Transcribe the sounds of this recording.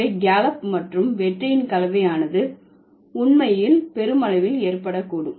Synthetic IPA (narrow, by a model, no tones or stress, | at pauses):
ɐɪɡaːlɐpmɐʈrɯmʋɛʈrɐɪnkɐlɐʋɐjaːnɐðɯ | ʊɳmɐjɪlpɛɾɯmɐlɐʋɪleːrpɐɽɐkːuːɽɯm